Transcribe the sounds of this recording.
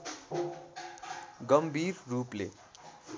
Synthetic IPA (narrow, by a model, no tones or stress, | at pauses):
ɡʌmbʱirːuplḛ